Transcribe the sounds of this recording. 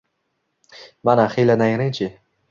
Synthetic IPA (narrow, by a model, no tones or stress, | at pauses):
manaχejlanajɾɪnt͡ʃʰɪ